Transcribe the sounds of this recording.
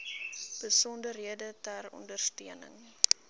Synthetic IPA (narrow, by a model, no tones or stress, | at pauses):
b̥əsɔndərɦiədətærɔ̰ndərstiənə̰ŋ